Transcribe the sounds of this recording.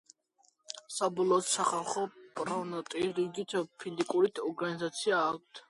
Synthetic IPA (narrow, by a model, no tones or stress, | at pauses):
sabɔlˠɔːt̪saχalˠχɔpʼɾɔvnɔt̪ʼiɾiɡit̪ʰpʰizikʼuɾit̪ʰɔɾɡanizat̪sʰiaːk̚ʰt̪ʰ